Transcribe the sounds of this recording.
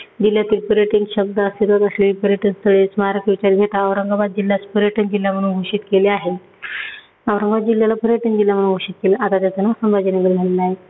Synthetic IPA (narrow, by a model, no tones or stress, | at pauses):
d͡ʑil̤jat̪iːlpəɾjəʈiŋɡɕəb̚d̪əəset̪at̪əsliːpəɾjəʈiŋst̪ʰəɭesmaɦaɾəkit͡ɕəɾɡʱeʈːʋɾəŋɡabad̪̚d͡ʑilːjaspəɾjəʈənd͡ʑil̤jam̤əɽuːnɡʱoʂiːt̪keleaɦe | aʋɾəŋɡat̪̚d͡ʑiljalapəɾjəʈənd͡ʑiljam̤əɽuːnɡʱoʂiːt̪̚keləʔat̪at̪jat͡sanəsəmbʱad͡ʑəneɡəɾmʱəɽnaɦe